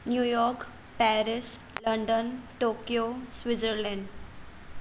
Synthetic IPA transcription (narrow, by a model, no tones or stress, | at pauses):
njujɔɾk | pæɾis | ləɳɖənʈokijosʋid͡zəɾlɛ̃ɳɖ